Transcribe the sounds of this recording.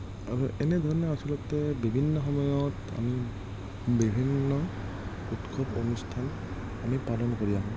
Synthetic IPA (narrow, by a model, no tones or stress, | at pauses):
a̰ɹuʔɛnɛdʱɔɹɔnɔasɔlɔtɛbibʱinːɔxɔmɔjɔt | a̰mi | bibʱinːɔ | utkʰɔponustʰan | amipalɔnkoɹijaɦɔ̃